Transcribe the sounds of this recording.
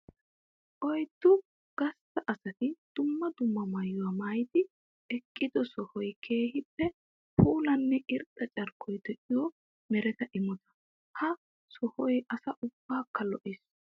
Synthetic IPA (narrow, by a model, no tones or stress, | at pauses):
ʔɔjt̪ːʊ | ɡ̥ɐst̪ɐʔɐsɐt̪ɪd̪̥ʊmːɐd̪ʊmːɐmɐjʊwamaːjt̪ɪ | ɛkʼːɪd̪ɔsɔhɔjkʰe̞ːhɪpːɛ | pʰuːlɐnːɛʔɪɾt̪ʼɐt͡ʃʼɐɾkʰːɔjd̪ɛʔɪjɔ | mɛɾɛt̪ɐʔɪmɔt̪ɐ̥ | hɐ | sɔhɔjʔɐsɐʔʊb̥ːaːkːɐlɔʔɪs